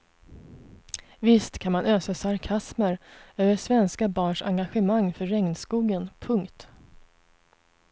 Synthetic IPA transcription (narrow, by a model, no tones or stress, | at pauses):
vɪst̪kʰanmanøːsasaɾkʰasməɾøːvəʂvɛnskabɑːɳʂa̰ŋɡaɧəmaŋːfœːɛŋnskuːɡənpʰɵŋkt̪